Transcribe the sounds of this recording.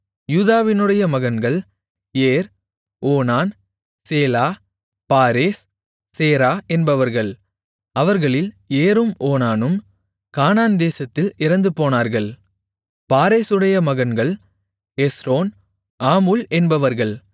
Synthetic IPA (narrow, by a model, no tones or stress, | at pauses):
juːðaːʋɪnɯɽɐjɐmɐɣɐnɡɐɭ | eːɾ | oːnaːn | seːlaː | paːɾeːsː | eːɾaːʔɛnbɐʋɐɾɣɐɭ | ɐʋɐɾɣɐɭɪl | eːɾɯmoːnaːnɯm | kaːnaːnd̪eːsɐt̪ːɪlɪɾɐnd̪ɯpoːnaːɾɣɐɭ | paːɾeːsɯɽɐjɐmɐɣɐnɡɐɭ | ɛsɾoːn | ʔaːmulɛnbɐʋɐɾɣɐɭ